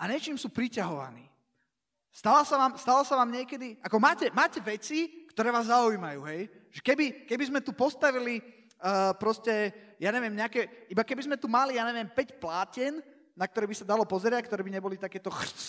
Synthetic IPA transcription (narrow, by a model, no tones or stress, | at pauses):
ʔaɲɛt͡ʃiːmsuːpɾicaɦɔʋa̰niː | st̪alasaʋaːmst̪alɔsaʋaːmɲɪɛkɛd̪iakɔmaːcɛmaːcɛʋɛt͡sikt̪ɔɾɛːʋaːzːaujmajṵːɦɛj | ʒ̥ɛkɛbikɛbizmɛt̪upɔst̪aʋili | əːpɾɔscɛjaːɲɛʋɪɛmɲɛakɛʔibakɛbizmɛt̪umalijaːɲɛʋjɛmpɛcplaːcɛn | nak̚t̪ɔɾɛːbisad̪alɔpɔzɛɾɪac̚kt̪ɔɾɛːbiɲɛbɔlit̪akɛːt̪ɔx